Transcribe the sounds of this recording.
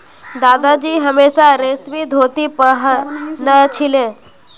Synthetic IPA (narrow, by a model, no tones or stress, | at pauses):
d̪aːd̪ad͡ʒiːɦəmeːʃaɾeːsʋid̪ʱoːt̪ipəɦnət͡ʃʰɪlẽː